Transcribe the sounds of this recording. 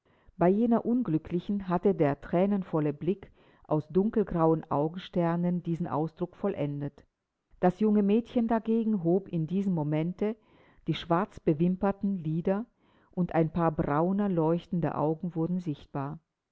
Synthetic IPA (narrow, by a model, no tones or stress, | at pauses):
b̥aɪjeːnɐʔʊnɡlʏkʰlɪçn̩ɦatədeːɐtʁ̥ɛːnənfɔləblɪk | ʔaʊsd̥ʊŋkl̩ɡʁaʊənʔa̰ʊɡŋ̩ʃtɛɐnəndiːzn̩ʔa̰ʊsd̥ʁʊkfɔlʔɛndət | d̥asjʊŋəmɛːtçəndaɡeːɡŋ̩ɦoːpɪndiːzəm̩mːomɛntə | d̥iːʃv̥aɐt͡sb̥əvɪmpɐtn̩liːdɐ | ʔʊntʔaɪnpʰaːɐbʁaʊnɐlɔʏçtn̩də̰ʔa̰ʊɡŋ̩vʊɐdn̩zɪçt̚b̥aːɐ